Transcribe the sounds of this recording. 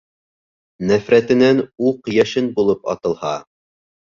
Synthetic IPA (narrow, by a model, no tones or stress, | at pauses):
næfɾæt̪ɘ̆nænuqjæʃɘnbulˠɤpɑ̰t̪ɤ̆lˠhɑ